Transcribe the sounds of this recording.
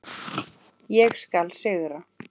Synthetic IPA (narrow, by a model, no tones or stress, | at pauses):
jɛɣskalsɪɣɾa